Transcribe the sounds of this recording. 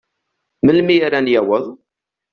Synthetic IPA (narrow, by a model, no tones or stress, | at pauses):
məlmiaɾanjæwəðˤ